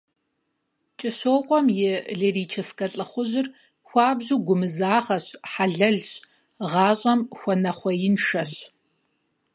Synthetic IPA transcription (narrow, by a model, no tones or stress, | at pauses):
t͡ʃʼɪɕoːqʷʼɔmjɛɮeːriːt͡ʃʰɐskɐɬʼɨχʷʊʑɪr | xʷɑːbʑuːɡʷʊmɨzaːʁɐɕħaɮɐɮɕʼ | ʁɑːɕʼɐmxʷɔnɐχʷɔjɪnʂɐɕ